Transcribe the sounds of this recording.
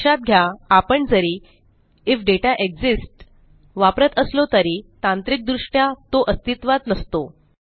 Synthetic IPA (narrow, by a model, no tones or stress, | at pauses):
at̪̚ɡʱjaːpəɳd͡zəɾi | ifɖeʈaʔeɡd͡zisʈ | ʋapɾət̪əslot̪əɾiːt̪ãnt̪ɾik̚d̪ɾuʂʈjat̪oʔəst̪it̪ʋad̪nəst̪o